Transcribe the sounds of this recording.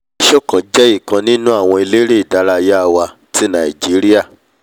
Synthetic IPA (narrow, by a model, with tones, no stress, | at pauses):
ʃo˦˨kã˨d͡ʒɛ˦i˦˨kã˧nĩ˦nũ˦a˦˨w̃ɔ̃˧i˧le˦ɾe˦i˨da˨˦ɾa˧ja˦˧wa˧ | ti˦nã˨i˨d͡ʒi˨˦ɾi˦a˦˨